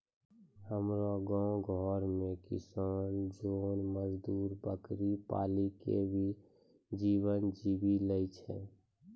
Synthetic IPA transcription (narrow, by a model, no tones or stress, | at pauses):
həmɾoɡɔ̃ɡʱɔːɾmẽkɪ̰saːnd͡ʒoːnməd͡ʒd̪uːɾbəkɾipa̰ːlikḛbʱi | d͡ʒiːwənd͡ʒibiləɪt͡ʃʰɛ̰